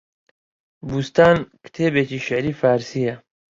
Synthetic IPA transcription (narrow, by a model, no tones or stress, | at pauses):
bust̪aːnkt̪ʰeːbeːt͡ʃiːʃɪʕɾiːfaːɾsiːjɐ